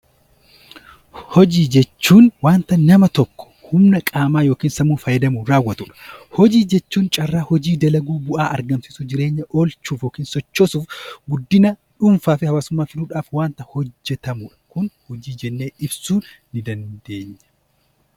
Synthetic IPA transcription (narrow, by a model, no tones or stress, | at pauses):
hɔd͡ʒiːd͡ʒɛt͡ʃːuːnwaːnt̪ɐnɐmɐt̪ɔkːɔ̥hʊmnɐkʼaːmaːjo̞ːkiːnsɐmuːfɐjɛd̪ɐmuɾaːwːɐt̪uᶑɐ̥hɔd͡ʒiːd͡ʒɛt͡ʃːuːnt͡ʃʼɐrːaːhɔd͡ʒiːd̪ɐlɐɡuːbʊʔaːʔɐɾɡɐmsɪsud͡ʒɪɾe̞ːɲːɐʔoːlt͡ʃuːfjoːkiːnsɔt͡ʃːoːsuːfɡʊd̪ːɪnɐᶑʊmfaːfɪhɐwaːsʊmːaːfɪluːᶑaːfwaːnt̪ɐhɔd͡ʒːɛt̪ɐmʊᶑɐ̥kʊnhɔd͡ʒiːd͡ʒɛnːeːɪbsuːnː | ɪd̪ɐnd̪e̞ːɲːɐ̥